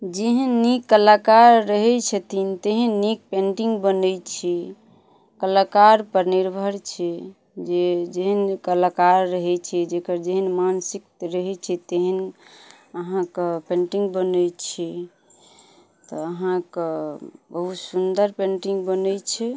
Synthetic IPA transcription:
d͡ʒeɦənːikːəlakaɾːəɦɛt͡ʃʰət̪ʰint̪eɦənːik̚pẽɳʈiŋɡbənəjt͡ʃʰɛ | kəlakaɾpəɾniɾbʱəɾt͡ʃʰɛ | d͡ʒed͡ʒeɦənkəlakaɾːəɦɛt͡ʃʰɛd͡ʒekəɾd͡ʒeɦənmansik̚t̪ɾəɦɛt͡ʃʰɛt̪eɦən | əɦãkpẽɳʈiŋɡbənət͡ʃʰɛ | t̪ɔəɦãkebəɦut̪sund̪əɾpẽɳʈiŋɡbənəjt͡ʃʰɛ

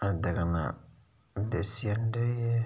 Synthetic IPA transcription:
adaɡana̰ | desiandɛjɛ

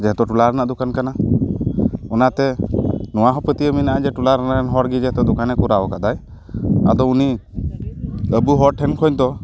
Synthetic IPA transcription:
d͡ʒɛɦt̪ɔʈulaɾanaʔd̪ukankana | ɔnat̪ɛnɔwaɦɔpət̪ijəminaʔad͡ʒɛʈulaɾanakanɦɔɾɡid͡ʒɛɦɛt̪ɔd̪ɔkanɛkuɾaɔkaʔd̪aj | a̰d̪ɔuni | əbuɦɔɾʈʰɛnkʰɔjɲd̪ɔ

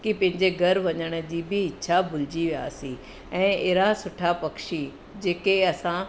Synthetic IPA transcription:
kipɐ̃ɦɪ̃ɲd͡ʑeɡʱɐɾʋɐɲəɽ̃ə̆d͡ʑiːbɪɪtːɕʰabʊlɪd͡ʑiʋija̰sĩ | ɛ̃ːeɦɾasʊʈʰapɐkʃi | d͡ʑeːkeɐsã

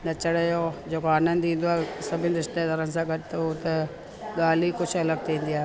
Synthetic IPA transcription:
nɐt͡ɕəɽejod͡ʒoːkoaːnə̃nd̪ĩːn̆d̪oaːsɐbʱɪnɪɾɪʃt̪ed̪ɐɾənsãːɡɐʈt̪ut̪ɐ | ɡaːlikʊt͡ʃʰɐləɡ̚t̪ẽːnd̪ijaː

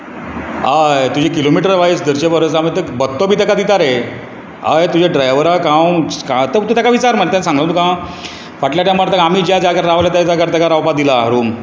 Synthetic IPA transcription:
ajt̪ud͡ʑekilomiʈəɾʋaisd̪əɾt͡ɕebəɾos̬amit̪əbət̪ːobʱiːt̪əkad̪it̪aɾe | ajt̪ud͡ʑeɖɾajʋəɾakãwkãt̪ət̪ut̪ʰakaʋit͡saɾmənet̪jãnsãŋɡãw̃t̪ukã | faʈljaʈjamaɽt̪əkam̤iːd͡ʑjad͡ʑakaɾɾaʋljat̪ad͡ʑakəɾt̪əkaɾawpad̪ilaɾuːm

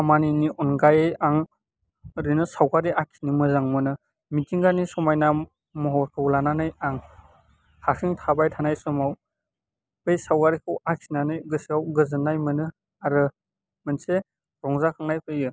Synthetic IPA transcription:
amaniniʔɔnɡajejaŋ | ɾinɯsawkaɾiʔakʰi̥nimɯzaŋmɯnɯ | mitʰiŋɡanisɔmajna | mɔɦɔɾkʰɯwlananɯjaŋ | hasʰiŋtʰabajtʰanajsɔmaw | pejsawkaɾikʰɯwakʰinanɯjɡɯsiawɡɯzɯnːajmɯnɯ | aɾɯ | mɯnse | ɾɔŋzakʰaŋnajpʰɯjɯ

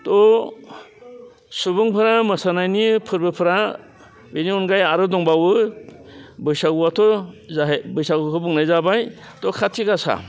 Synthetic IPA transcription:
tɔ | subuŋpʰɯɾamɯsanajnipʰɯɾbɯpʰɯɾa | beniɔnɡajaɾɯdɔŋbawɯ | bɯjsaɡuwatʰɔzabɯjsaɡukʰɯbuŋnajzabaj | tɔkʰatʰikasa̰

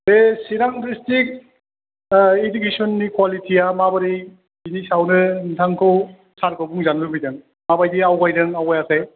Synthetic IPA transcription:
besiɾaŋdistik̚ | edukesɔnːikwalitʰiamabaɾi | binisawnɯntʰaŋkʰɯw | saɾkʰɯwbuŋzanbɯbijdɐŋ | mabajdiawɡajdɯŋawajasaj

